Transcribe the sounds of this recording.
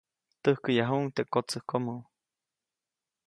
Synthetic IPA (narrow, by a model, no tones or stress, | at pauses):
t̪əhkəjaɦuʔŋt̪eʔkot͡səhkomu